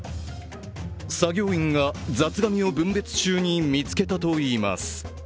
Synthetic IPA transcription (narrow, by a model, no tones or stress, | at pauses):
saɡʲo̞ːĩŋɡad͡zat͡sɨɡamʲio̞bɯ̟̃mbe̞t͡sɨ̥t͡ɕɨːɲ̟imʲit͡sɨ̥ke̞t̪at̪o̞iːma̰sɨ̥